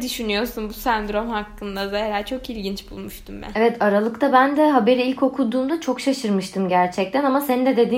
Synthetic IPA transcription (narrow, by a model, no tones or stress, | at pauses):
d̪yʃynyjo̞ɾsunbusænd̪ɾo̞nhakːɯnd̪azeeɾaːt͡ʃʰo̞kilʲɟint͡ʃbṵlˠmuʃt̪ʰumbæ̰nevɛt̪ʰaɾalˠɯkt̪ʰabænd̪ɛɦabe̞ɾiilʲcʰo̞kʰud̪uːmd̪at͡ʃʰo̞kʃaʃɯɾmɯʃt̪ʰɯmɟæɾt͡ʃʰɛc̚t̪ʰænamase̞nid̪ɛd̪e̞d̪i